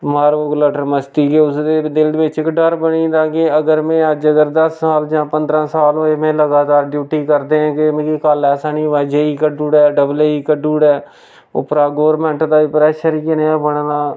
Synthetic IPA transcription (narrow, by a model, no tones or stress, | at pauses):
maːɾoːkləʈəɾməst̪iːkeːʊsd̪eːd̪ɪld̪ʋɪt͡ʃɪkɖəɾbəɽ̃ĩːnd̪aːɡeːəɡəɾmɛ̃ːəd͡ʒəɡəɾd̪əsːaːld͡ʒãːpənd̪ɾãːsaːlɦoːeːmẽːləɡaːt̪aːɾɖjuːʈiːkəɾd̪eːãːkemẽːkekəlɛːsaːnĩːʋɛːd͡ʒeːiːkəɖuːɽɛːɖəbleːiːkəɖuːɽɛː | ʊ̰pɾaːɡoːɾmɛ̃ːɳʈd̪aːipɾɛːʃəɾiːkɪneãːbəɳ̃naː